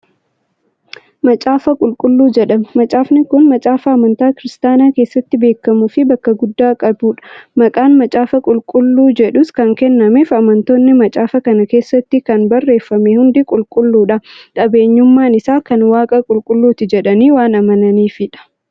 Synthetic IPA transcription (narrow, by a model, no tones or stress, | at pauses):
mɐt͡ʃʼaːfɐkʼʊlkʼʊlːuːd͡ʒɛᶑɐmmɐt͡ʃʼaːfnɪkʊnmɐt͡ʃʼaːfɐɐmɐnt̪aːkɪɾɪst̪aːnaːkeːsːɐt̪ːɪbe̞ːkːɐmʊfɪbɐkːɐɡʊd̪ːaːkʼɐbuːᶑɐ̥mɐkʼaːnmɐt͡ʃʼaːfɐkʼʊlkʼʊlːuːd͡ʒɛᶑʊskɐŋkɛnːɐmeːfɐmɐnt̪oːnːɪmɐt͡ʃʼaːfɐkɐnɐke̞ːsːɐt̪ːɪkɐnbɐrːe̞ːfːɐmehʊnd̪ɪkʼʊlkʼʊlːuːᶑɐkʼɐbe̞ːɲːʊmːaːnɪsaːkɐnwaːkʼɐkʼʊlkʼʊlːuːt̪ɪd͡ʒɛᶑɐniːwaːnɐmɐnɐniːfɪᶑɐ̥